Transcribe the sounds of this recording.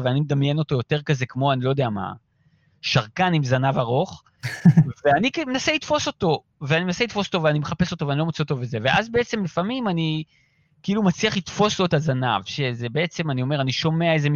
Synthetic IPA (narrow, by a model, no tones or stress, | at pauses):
veanimed̪amjeno̞to̞jo̞te̞ʁkaze̞kmo̞anilo̞d̪eama̰ | ʃaʁkanimzanavaʁo̞χ | veanikmenaselitfo̞so̞to̞ | veanimenaseit̪fo̞sot̪oveanimeχape̞so̞t̪o̞veaniloot͡seot̪oveze̞ve̞ʔazbe̞et͡se̞mlifamimani | keiːlumat͡sliaχlit̪fo̞slo̞etazanavʃe̞zebee̞t͡se̞manio̞me̞ʁaniʃo̞meaeze̞m